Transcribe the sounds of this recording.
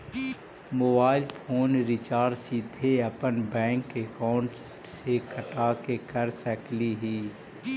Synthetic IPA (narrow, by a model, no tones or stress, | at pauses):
moːbaːɪlpʰoːnɾɪt͡ʃaːɾɖsid̪ʱeəpənbɛ̃ːŋkekaːʊɳʈ | sekʰəʈaːkekəɾsəkliɦiː